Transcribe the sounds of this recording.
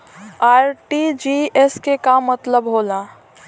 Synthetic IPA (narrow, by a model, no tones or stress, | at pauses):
aːɾʈid͡ʒieskekamːət̪ləbɦola